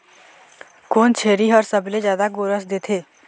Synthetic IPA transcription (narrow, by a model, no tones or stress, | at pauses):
koːnt͡ʃʰeːɾiɦɔːɾsəblezjaːd̪aɡoːɾəs̬d̪eːt̪ʰeː